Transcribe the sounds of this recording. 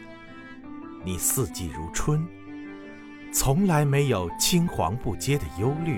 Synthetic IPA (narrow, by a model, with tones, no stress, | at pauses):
ni˨˩sɹ̩˥˧t͡ɕi˥˩ɻu˧˥ʈ͡ʂʰwə˥n | t͡sʰʊ˧˥ŋla˧˥ɪme˧˥ɪjo˨˩ʊt͡ɕʰi˥ŋxwɑ̰˧˥ŋpu˥˩t͡ɕjɛ˥d̪ə˨jo˥ʊly˥˩